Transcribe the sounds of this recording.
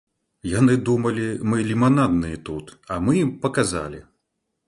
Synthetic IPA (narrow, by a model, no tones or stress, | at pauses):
janɨd̪umɐlʲimɨlʲimanad̪nɨjɛt̪ut̪ɐmɨjimpɐkaza̰lʲḭ